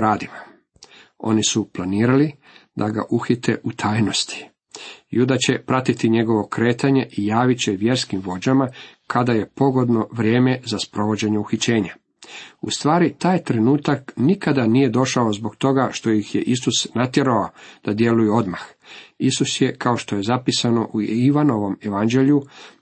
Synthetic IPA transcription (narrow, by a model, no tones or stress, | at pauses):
ɾaːd̪ima | o̞̰nisuplaniːɾali | d̪aɡa̰ʔuxit̪e̞̰ʔut̪ʰaːjno̞st̪i̥ | jud̪at͡ɕe̞pɾat̪it̪iɲe̞ɡo̞ʋo̞kɾe̞ːt̪aɲe̞ʔijaːʋit͡ɕe̞ʋje̞ɾskimʋo̞d͡ʑamakʰad̪aje̞po̞ɡo̞d̪no̞ʋɾʲje̞ːme̞zaspɾo̞ʋo̞d͡ʑe̞ɲeuxit͡ɕe̞ːɲa | ṵst̪ʋaːɾit̪aːjt̪ɾe̞nuːt̪aknikad̪aniːje̞d̪o̞ʃaozbo̞ɡt̪o̞ɡaʃt̪o̞jixje̞ʔisusnat̪je̞ɾaod̪̥ad̪je̞lujeo̞d̪maxisusje̞kʰao̞ʃt̪o̞je̞zapisano̞ʔuiʋano̞ʋo̞meʋand͡ʑe̞ʎju